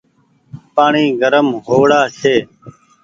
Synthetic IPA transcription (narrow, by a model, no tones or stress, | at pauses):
paːɳiːɡəɾəmɦoːɽaːsʰeː